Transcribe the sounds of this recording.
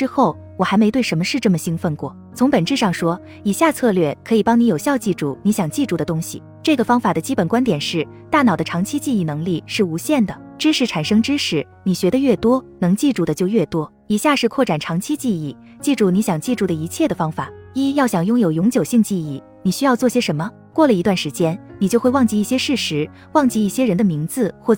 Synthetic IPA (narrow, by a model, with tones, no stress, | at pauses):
ʈ͡ʂɻ̩˥xo˥˩ʊ | wɔ˨˩xa˧˥ɪme˧˥ɪt̪we˥˩ɪʂə˧˥nmə˧ʂɻ̩˥˧ʈ͡ʂɤ˥˩mə˩ɕi˥ŋfə˥˧nkwɔ˥˩ | t͡sʰʊ˧˥ŋpə˨˩nʈ͡ʂɻ̩˥˧ʂɑ˥˩ŋʂwɔ˥ | i˨˩ɕja˥˧t͡sʰɤ˥˧lɥɛ˥˩kʰɤ˧˥i˨˩pɑ˥ŋni˧˥jo˨˩ʊɕjɑ˥˧ʊt͡ɕi˥˧ʈ͡ʂu˥˩ni˧˥ɕjɑ˨˩ŋt͡ɕi˥˧ʈ͡ʂu˥˩d̪ə˩˦t̪ʊ˥ŋɕḭ˨˩ | ʈ͡ʂɤ˥˩ɡə˩fɑ˥ŋfa˨˩d̪ə˦t͡ɕi˥pə˨˩nkwa˥nt̪jɛ˨˩nʂɻ̩˥˩ | t̪a˥˩nɑ˨˩ʊd̪ə˦ʈ͡ʂʰɑ˧˥ŋt͡ɕʰi˥t͡ɕi˥˧i˥˩nɤ˧˥ŋli˥˧ʂɻ̩˥˩u˧˥ɕjɛ˥˩nd̪ə˩ʈ͡ʂɻ̩˥ʂɻ̩˧˥ʈ͡ʂʰa˨˩nʂɤ˥ŋʈ͡ʂɻ̩˥ʂɻ̩˧˩ | ni˨˩ɕɥɛ˧˥d̪ə˧ɥɛ˥˩t̪wɔ˥nɤ˧˥ŋt͡ɕi˥˧ʈ͡ʂu˥˩d̪ə˩t͡ɕjo˥˧ʊɥɛ˥˩t̪wɔ˥ | i˨˩ɕja˥˧ʂɻ̩˥˧kʰwɔ˥˩ʈ͡ʂa˨˩nʈ͡ʂʰɑ˧˥ŋt͡ɕʰi˥t͡ɕi˥˧i˥˩ | t͡ɕi˥˧ʈ͡ʂu˥˩ni˧˥ɕjɑ˨˩ŋt͡ɕi˥˧ʈ͡ʂu˥˩d̪ə˩i˧˥t͡ɕʰjɛ˥˩d̪ə˩fɑ˥ŋfa˨˩˦i˥jɑ˥˩ʊɕjɑ˨˩ŋjʊ˥ŋjo˨˩ʊjʊ˧˥ŋt͡ɕjo˨˩ʊɕi˥˧ŋt͡ɕi˥˧i˥˩ | ni˨˩ɕy˥jɑ˥˧ʊt͡swɔ˥˩ɕjɛ˥ʂə˧˥nmə˧ | kwɔ˥˩lə˩i˧˥t̪wa˥˩nʂɻ̩˧˥t͡ɕjɛ˥nni˨˩t͡ɕjo˥˧ʊxwe˥˧ɪwɑ˥˧ŋt͡ɕi˥˧i˥˩ɕjɛ˥ʂɻ̩˥˩ʂɻ̩˧˥ | wɑ˥˧ŋt͡ɕi˥˧i˥˩ɕjɛ˥ɻə˧˥nd̪ə˧mi˧˥ŋt͡sɹ̩˧xwɔ˥˩